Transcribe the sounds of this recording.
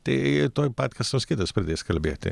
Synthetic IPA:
t̪et̪oːjpat̪kʰɐsskeːd̪ɐspɾɛd̪eskɐlbḛt̪ɛ̰

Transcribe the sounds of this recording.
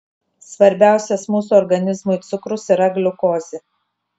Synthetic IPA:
sʋɐɾʲbʲæˑʊsʲɛsmuːs̬uɔɾɡɐnʲɪzmʊɪt̪sʊkɾʊsiɾɐɡlʲʊkoːzʲɪ

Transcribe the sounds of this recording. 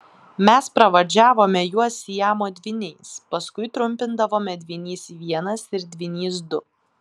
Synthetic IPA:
mʲɛspɾɐʋɐd͡ʒʲæːʋoːmʲɛjuɔsʲjæːmoːd̪ʲʋʲɪnʲɛɪspɐskʊɪt̪ɾʊmʲpʲɪnd̪ɐʋoːmʲɛd̪ʲʋʲɪnʲiːsiʋʲiɛnɐsɪɾd̪ʲʋʲɪnʲiːs̬d̪ʊ

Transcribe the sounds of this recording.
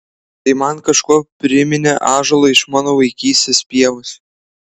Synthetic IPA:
t̪ɐɪmɐnkɐʃkuːpʲɾʲɪmʲɪnʲɛʔɑːʒolˠoɪʃmɑːnoːʋɐɪkʲiːsʲt̪ʲeːspʲiɛʋʊsʲ

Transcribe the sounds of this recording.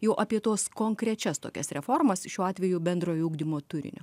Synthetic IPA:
jɛʊʔɐpʲiɛt̪oːskoːŋkɾʲɛt͡ʃʲɛst̪oːkʲɛsɾʲɛfoːrmɐsʃʲuːɑːt̪ʲʋʲɛjubʲɛnd̪ɾoːjuːɡd̪ʲimoːt̪ʊɾʲɪ̰nʲo̰

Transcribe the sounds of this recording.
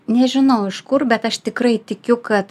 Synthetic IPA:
nʲɛʒʲɪnɐʊɪʃkʊrbʲɛt̪ɐʃt̪ʲɪkɾɐɪt̪ʲɪkʲʊkɐt̪

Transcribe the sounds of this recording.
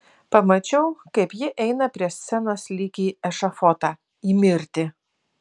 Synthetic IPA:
pɐmɐt͡ʃʲɛʊkɐɪpjɪʔɛɪnɐpʲɾʲiɛsʲsʲɛnoːslʲiːkʲiːɛʃɐfɔt̪ɑː | iːmʲɪɾʲt̪ʲɪ

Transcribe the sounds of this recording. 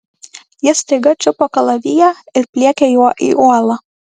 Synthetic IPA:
jɪsʲt̪ɐɪɡɐt͡ʃʲʊpokɐlˠɐʋʲijæɪɾpʲlʲiɛkʲɛjuɔʔḭːʔuɔlˠɐ

